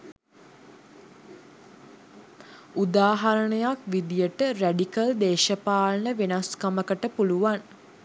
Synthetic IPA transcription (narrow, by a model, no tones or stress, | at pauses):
ud̪aːɦɐɾəɳəjakʋid̪ijəʈəræɖikəld̪eːʃəpaːlnəʋenaskaməkəʈəpuluʋan